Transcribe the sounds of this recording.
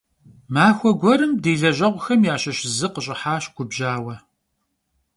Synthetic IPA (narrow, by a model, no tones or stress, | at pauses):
maːxʷɔɡʷɔɾɨmdeːɮɐʑɐʁʷʊxɐmjaːɕɐɕɪzɨqəɕʼɪħaːɕɡʷʰʊbʒaːwɐ